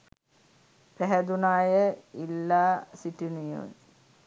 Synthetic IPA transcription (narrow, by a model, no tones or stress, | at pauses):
peɦɐd̪unaːjəilːaːsiʈinijṵːn